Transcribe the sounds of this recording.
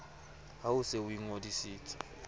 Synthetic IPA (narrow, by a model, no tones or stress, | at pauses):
ɦaʊseuiŋodisiːtʰʼi̥